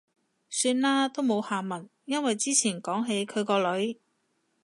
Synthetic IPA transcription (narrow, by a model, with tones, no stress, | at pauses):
syː˧nlaː˥t̪o˥wmo˨˧whaː˨˩mɐ˨˩n | jɐ˥nwɐ˨jt͡siː˥t͡sʰiː˨˩nkɔː˨˥ŋɦe˨˥jkʰɵ˨˧ɥkɔː˧lɵ˨˥ɥ